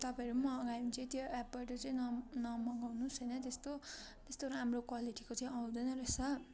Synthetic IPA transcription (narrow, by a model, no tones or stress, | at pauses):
t̪ʌpãʌɾumʌʌɡajnt͡sʌĩt̪joɛp̚bʌʈʌt͡sʌĩnʌnʌmʌŋɡawnusʌjnʌt̪est̪o | t̪est̪oɾamrokwaliʈikot͡sʌĩaw̃d̪ʌjnʌɾesʰʌ